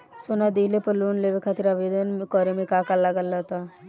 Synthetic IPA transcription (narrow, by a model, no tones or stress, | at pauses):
sonad̪iːlepəluːnleʋekʰaːt̪iɾaʋeːd̪ənmkɔːɾemẽkaːkaɾləɡəlːat̪aː